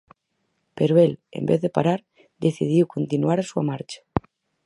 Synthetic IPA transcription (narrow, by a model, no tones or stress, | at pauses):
peɾoelḛmbeθðepa̰ɾaɾ | d̪eθið̞iwkont̪inuaɾasua̰maɾt͡ʃḁ